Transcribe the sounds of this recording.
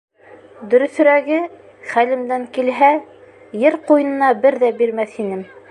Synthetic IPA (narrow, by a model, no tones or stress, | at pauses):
d̪ɵ̆ɾɵ̆θɵ̆ɾæɡɘ | χælɘ̆md̪æŋkilɦæ | jɘɾqujɤ̆nɤ̆nɑbɘɾðæbiɾmæθinɘm